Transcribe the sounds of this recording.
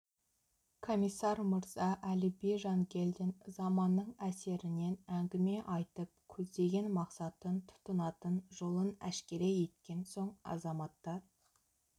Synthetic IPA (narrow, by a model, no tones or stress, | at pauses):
kʰo̞mijsːɑɾməɾz̥ɑʔælɪbeʒɑŋkʲʰe̞ld̪ɪnzɑmɑnːəɴæse̞ɾɪne̞næŋɡʲɪme̞ʔɑjt̪əp̚kʲʰɵzd̪e̞ɡʲe̞nmɑqsɑt̪ənt̪ʰʊ̥t̪ənɑt̪ənʒo̞lˠənæʃkʲe̞ɾe̞je̞t̪kʲe̞nso̞ɴɑ̰zɑmɑt̪ːɑɾ